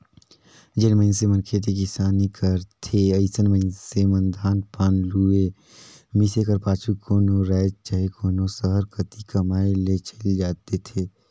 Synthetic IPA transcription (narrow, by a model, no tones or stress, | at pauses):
d͡ʒenməɪnsemənkʰet̪̬ekɪsaːnikəɾt̪ʰeəɪsənməɪnsemə̃nd̪ʱaːnpaːnlue | misekəɾpaːt͡ʃʰukʰoːnoɾɛːd͡ʒt͡ʃəɦekʰoːnosəɦəɾkət̪ikəmaːelet͡ʃʰəld͡ʒaːt̪et̪ʰeː